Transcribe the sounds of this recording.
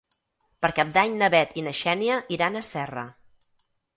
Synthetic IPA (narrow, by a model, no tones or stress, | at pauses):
pəɾkap̚d̪aɲnəβɛt̪inəʃɛniəʔiɾanəsɛrə̰